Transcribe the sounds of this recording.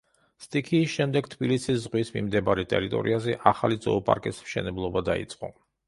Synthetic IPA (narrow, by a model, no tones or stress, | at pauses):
st̪ʼikʰiːsʃɛmd̪ɛɡ̥t̪ʰbilisiszʁwismḭmd̪ɛbaɾɛt̪ʼɛ̰ɾit̪ʼɔ̰ɾḭazɛʔaχalid̪zɔːpʼa̰ɾkʼismʃɛnɛblˠɔbad̪aḭt̪sʼqʼɔ̰